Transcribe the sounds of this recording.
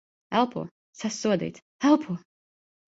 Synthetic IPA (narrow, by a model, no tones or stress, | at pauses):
ɛlˠpʰṵɔ | sasːuɔd̪ḭːt̪ | ɛlˠpʰuɔ